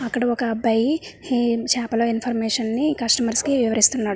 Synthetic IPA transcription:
ɐkːɐɽɐɔkɐbɐji | t͡ʃaːpɐloːinpʰɐɾmɛːʂɐnːikɐsʈɐmɐɾskiʋiʋɐɾist̪unːaːɽu

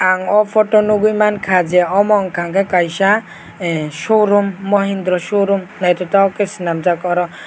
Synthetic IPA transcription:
aŋɔpʰɔtɔnuɡujmankʰad͡ʒɛɔmɔŋkʰaŋkʰɛkajsa | soɾumːɔɦind̪ɾɔsoɾumnajtɔtaɔkɛsinamzakɔɾɔ

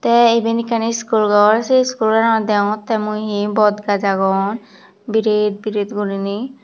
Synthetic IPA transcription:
t̪ɛebenikaniskulɡɔɾseskulɡanɔd̪ɛw̃t̪ɛmujɦibɔd̪ɡad͡ʒaɡɔn | biɾed̪̚biɾet̪ɡuɾini

